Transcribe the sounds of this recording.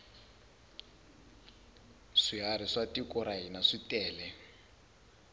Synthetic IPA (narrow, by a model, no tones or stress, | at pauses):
ʂiɦaɾiʂatikɔɾaɦinaʂitɛːlɛ